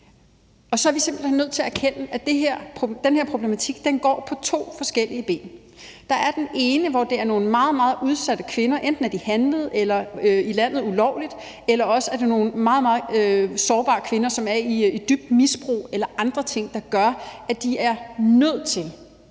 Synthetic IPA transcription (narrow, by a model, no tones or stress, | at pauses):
ɒ̽sɒ̽æɐʋise̝mb̥l̩henːøð̰ˠt͡sʰe̝ææɐkʰen̰əʔæd̥eɦeɐ̰pʰod̥enheɐ̰pʰʁo̝b̥lemæt͡sʰiɡ̥̚d̥enɡ̥ɒ̰ːpʰɒ̽t͡sʰo̝̰ːfɒ̽sɡ̥el̰iəb̥e̝̰ːn | d̥ɑ̈æɐd̥ene̝ːnəʋɒd̥e̝æɐno̝ːn̩mɑ̈ːð̞̩ˠmɑ̈ːð̞̩ˠʔuð̞ˠsæd̥əkʰʋe̝nɐʔend̥n̩æɐd̥ihænləð̩ˠelɐøilæn̰ð̞̩ˠulɒʊ̰lid̥ | elɐɒ̽səæɐd̥eno̝ːn̩mɑ̈ːð̞̩ˠmɑ̈ːð̩ˠøsɒːb̥ɑ̈ːkʰʋe̝nɐsɒ̽mæɐiid̥yb̥̚d̥misb̥ʁṵːelɐʔɑ̈nd̥ʁɐt͡sʰe̝ŋ̰d̥ɑ̈ɡ̥ɶɐæd̥iæɐnøð̞̰ˠt͡sʰe̝l